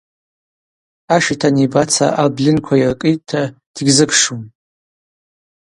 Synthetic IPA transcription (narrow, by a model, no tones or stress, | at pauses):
aʃitʰanibat͡sʰa̰ʔablɪnkʷʰairkʼɨjtʼtʰːa | d̥ɡʲzɨkʰʂum